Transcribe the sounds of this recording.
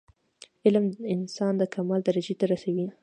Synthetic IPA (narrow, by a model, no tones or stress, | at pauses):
ɪlməɪnsɑnd̪əkʰamɑld̪aɾad͡ʒet̪aɾasawi